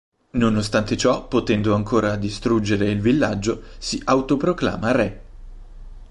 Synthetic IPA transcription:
nonost̪ant̪et͡ʃɔpːot̪ɛnd̪oaŋkʰoːɾad̪ist̪ɾud͡ʒːeɾeilvilːad͡ʒːosiʔawt̪opɾokla̰ːmarɛ

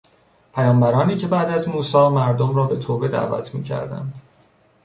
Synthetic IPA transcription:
pʰæjɒːmbæɾɒːniːcʰe̞bæːd̪æzmuːsɒːmæɾd̪omɾɒːbe̞t̪ʰoːbe̞d̪æ̰ːvæ̰t̪ʰmḭːcʰæ̰ɾd̪æ̰nd̪̥

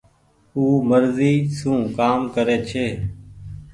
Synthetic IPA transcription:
uːməɾziːsũːkaːmkəɾeːt͡ʃʰeː

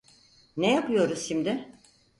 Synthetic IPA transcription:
nejapʰɯjo̞ɾusʃimd̪ɪ

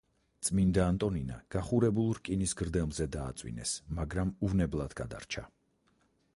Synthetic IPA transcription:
t̪sʼmind̪aːnt̪ʼɔnina̰ɡ̥aχuɾɛbulˠɾkʼinisɡɾd̪ɛmzɛd̪a̰ːt̪sʼwḭnɛ̰smaɡɾamuvnɛblˠad̪ɡad̪a̰ɾt͡ʃʰa

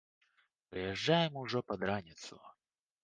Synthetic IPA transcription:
pɾɨjɛʐːajɛmuʐɔpɐd̪ɾanʲɪt̪sʊ̰

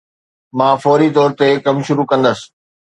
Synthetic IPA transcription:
mãːfɔːɾit̪ɔːɾt̪ekɐmʃʊɾukɐ̃nd̪əsɪ̥̆

